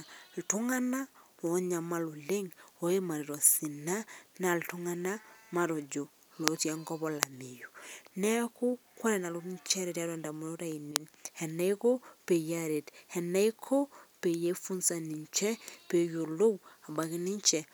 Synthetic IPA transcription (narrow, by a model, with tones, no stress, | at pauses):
ltu˦ŋa˦na˦ɔ˨˦ɲa˨ma˦lu˨le˦ŋo˨˦e˦ma˨ɾe˨ɾɔ˨si˨na˦na˨ltu˦ŋa˦na˦ma˨ɾo˨d͡ʒo˨ | lo˨tja˦ŋɡɔ˦βɔ˨la˨mi˨jo˨nɛ˦ku˦ka˦ɾɛ˨na˨lo˦ɲt͡ʃɛ˦ɾe˨tja˦ɾɛ˨nda˨mu˨˦o˦ɾa˨i˨ne˨nhɛ˨na˦i˦ko˦pe˨ja˦ɾe˨thɛ˨na˦i˦kʰo˦pe˨je˦fu˦nsa˨ni˨ɲt͡ʃɛ˦pe˨ju˨lo˦wa˨ba˨ki˦ni˦ɲt͡ʃɛ˨